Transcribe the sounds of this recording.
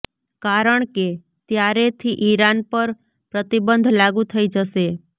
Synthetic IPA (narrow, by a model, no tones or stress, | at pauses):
kaɾəɳke | t̪jaɾet̪ʰiʔiɾanpəɾ | pɾət̪ibənd̪ʱlaɡũt̪ʰəid͡ʒəʃe